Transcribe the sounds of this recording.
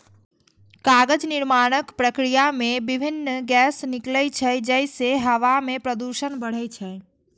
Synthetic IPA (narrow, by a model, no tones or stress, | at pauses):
kaɡəd͡ʒniɾmaɽ̃əkpɾəkɾijamebibʱinːɡɛsnikləjt͡ʃʰəd͡ʒəjseɦəʋamepɾəd̪uʃənbəɽ̤ət͡ʃʰə